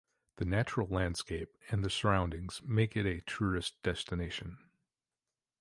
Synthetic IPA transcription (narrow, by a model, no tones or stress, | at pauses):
ðɨnæt͡ʃɹl̩ˠlæ̃nd̥skeɪp̚ɨ̃nðɨsə˞ãʊ̃ndɪ̃ŋz̥meɪkɨɾɨtʰɹ̥ʉɨsd̥ɛstɨneɪʃɨ̃n